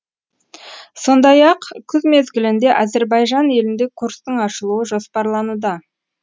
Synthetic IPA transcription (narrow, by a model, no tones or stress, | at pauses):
so̞nd̪ɑjɑqkʲʰʏzme̞zɡʲɪlɪnd̪e̞ʔɑze̞ɾbɑjʒɑne̞lɪnd̪e̞kʰuɾst̪əɴɑʃəlˠuəʒo̞spɑɾlˠɑnud̪ə